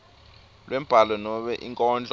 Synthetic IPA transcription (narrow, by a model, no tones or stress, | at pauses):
lwʔɛm̩b̥ʱalɔnɔɓɛʔiŋkʼɔːnd͡ɮʱʼ